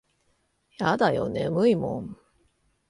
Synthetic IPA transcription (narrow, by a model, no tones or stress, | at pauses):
jad̪ajonemɯimõ̰ɴ